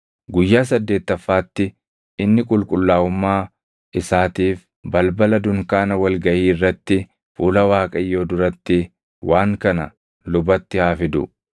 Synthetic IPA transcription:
ɡʊjːaːs̬ɐd̪ːe̞ːt̪ːɐfːaːt̪ːɪ | ɪnːɪkʼʊlkʼʊlːaːʊmːaː | ʔɪsaːt̪iːf | bɐlbɐlɐd̪ʊŋkaːnɐwɐlɡɐʔiːɪrːɐt̪ːɪ | fuːlɐwaːkʼɐjːo̞ːd̪ʊɾɐt̪ːɪ | waːŋkɐnɐ | lʊbɐt̪ːɪhaːfɪd̪ʊ̰

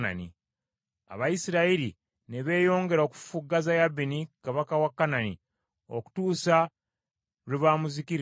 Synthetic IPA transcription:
na̰nḭ | a̰βajisiɾaiɾi | ne̞βe̞ːjo̞ːŋɡe̞ɾao̞ku̥fuɡːazajabinikaβakawakːanani | o̰ku̥tuːsa | ɾeβaːmuzikiɾ

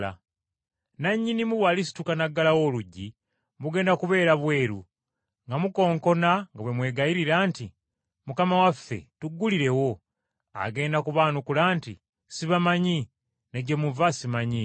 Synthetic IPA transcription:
a̰ | naɲːinimuβwaːlisi̥tukanaɡːalawo̞luɟːi | muɡe̞ːndakuβe̞ːɾaβwe̞ːɾṵ | ŋɡamuko̞ːŋko̞naŋɡaβwe̞mwe̞ːɡajiɾiɾaːnti | mukamawafe̞̰tuɡːuliɾe̞wo̞ | a̰ɡe̞ːndakuβaːnukulaːnti | siβamaɲi | neɟemuvasimaɲi

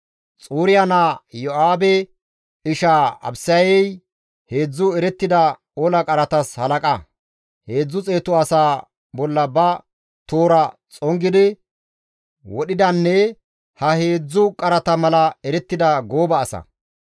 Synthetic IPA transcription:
t͡sʼuːɾɪjanaːjɔʔaːbɛ | ɪʃaːɐ̰bsɐjɛj | he̞ːd͡zːʊɛɾɛt̪ːɪd̪ɐ | ɔlɐkʼɐɾɐt̪ɐshɐlɐkʼɐ | he̞ːd͡zːʊt͡sʼe̞ːt̪ʊɐsaː | bɔlːɐbɐ | t̪oːɾɐt͡sʼɔŋɡɪd̪ɪ | wɔɗɪd̪ɐnːɛ | hɐhe̞ːd͡zːʊkʼɐɾɐt̪ɐmɐlɐɛɾɛt̪ːɪd̪ɐɡoːbɐːsɐ̰

